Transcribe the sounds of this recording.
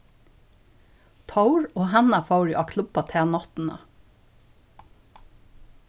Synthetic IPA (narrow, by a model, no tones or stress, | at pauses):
t̪ʰɑʊɹoːhænɑfɑʊɹɪʔɑːkʰlʉbɑt̪ʰeːnɑt̪n̩ə̰